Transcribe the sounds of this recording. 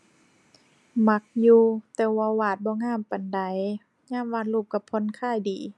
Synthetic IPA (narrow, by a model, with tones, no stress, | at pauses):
ma˧˦˥k̚juː˧t̪ɛː˧˩waː˧waː˧˩t̪̚bɔː˧˦ŋaː˧˩˨mpa˨nda˨˩˦j | ɲaː˧˥˨mwaː˧t̪luː˧˩p̚ka˧˩pʰːɔ˧˥˨nkʰaː˧˩˨jdiː˨˩